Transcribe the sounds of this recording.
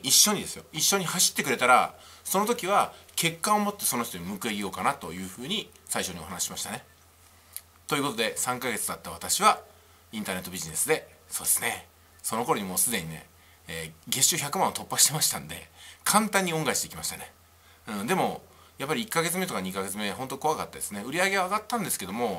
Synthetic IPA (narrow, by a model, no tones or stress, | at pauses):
iɕːo̞ɲ̟id̪e̞sɨjo̞̰iɕːo̞ɲ̟ihaɕi̥t̪ːe̞kɯ̟ɾe̞t̪aɾa | so̞no̞t̪o̞kʲiβ̞akʰe̞kːao̞mo̞t̪ːe̞so̞no̞çʲit̪oɲimɯ̟kɯ̟eɡʲijo̞ːkanat̪o̞jɯ̟ːɸɯ̟ːɲ̟i | saiɕo̞ɲ̟io̞ɦanaɕi̥ɕimaɕi̥t̪ane̞ | t̪oiɯ̟ko̞t̪od̪e̞sãŋkaɡe̞t͡sɨd̪at̪ːaβ̞at̪aɕiβ̞a | ĩnt̪aːne̞t̪ːobiʑine̞sɨd̪e̞ | soːd̪̥e̞sɨ̥ne̞ | so̞no̞ko̞ɾo̞ɲ̟imo̞ːsɨd̪e̞ɲ̟ine̞̰ː | ɡe̞ɕoçakɯ̟mãot̪o̞pːaɕi̥t̪e̞maɕi̥t̪ãnd̪e̞̰kʰãnt̪ãɲ̟ːioŋɡaiɕt̪eikʲimaɕi̥t̪ane̞ | ɯ̟̃d̪e̞mo̞ | japːaɾʲiikːaɡe̞t͡sɨme̞t̪o̞kaɲ̟ikaɡe̞t͡sɨme̞ɦont̪oko̞akat̪ːad̪e̞sɨne̞ɯ̟ɾʲiaɡe̞βaːɡat̪ːãnd̪e̞sɨ̥ke̞d̪o̞mo̞